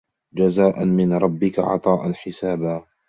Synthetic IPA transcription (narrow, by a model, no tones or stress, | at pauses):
d͡ʒazaːʔanmɪnɾˤɑbːɪka̰ʕɑ̰t̪ˤɑːʔanħɪsaːbaː